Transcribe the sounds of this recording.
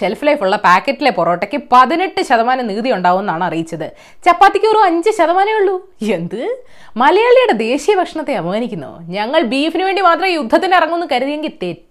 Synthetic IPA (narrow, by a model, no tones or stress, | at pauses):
selflɐjfuɭːɐpaːkːɐtːile̞poro̞ːʈːekːɨpɐðineʈːɨɕɐðɐmaːnɐmniːðijuɳɖaːɣuenːaːɳɐrijit͡ɕːɐðɨ | t͡ɕɐpːaːt̪ːikʲːɨo̞ɾuɐɲd͡ʑɨɕɐðɐmaːnɐjuɭːu | e̞nd̪ɨ | mɐlɐjaːɭijuɽe̞d̪e̞ːɕijɐbʱɐkʂɐɳɐt̪ːe̞ɐʋɐmaːnikʲːunːo̰ɲɐŋːɐɭbiːefinɨʋe̞ːɳɖimaːt̪rɐmijud̪ʱːɐt̪ːinːeirɐŋːuenːɨkɐɾuðijeŋɡit̪ːeːt